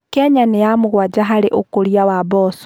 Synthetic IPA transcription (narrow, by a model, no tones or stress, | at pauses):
kɛɲanejamuɣwad͡ʒaɦaɾeʔokoɾjawabɔːso̥